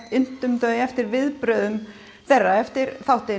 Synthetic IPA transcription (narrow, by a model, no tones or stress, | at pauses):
t̪ɪn̥t̪ʏmt̪œːðɛft̪ɪɾvɪðpɾœðʏm | θɛrːaɛft̪ɪɾθawht̪ɪ